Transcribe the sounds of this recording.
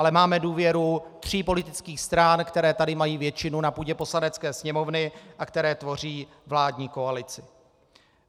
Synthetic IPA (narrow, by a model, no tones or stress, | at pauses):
alɛmaːmɛduːvjɛɾut̪r̝̥iːpo̞lɪt̪ɪt͡skiːxst̪ɾankt̪ɛɾɛːt̪adɪmajiːvjɛt͡ʃɪnunapuːɟɛpo̞slanɛt͡skɛːsɲɛmo̞vnɪʔakt̪ɛɾɛːt̪vo̞r̝iː | vlaːdɲiːko̞alɪt͡sɪ̥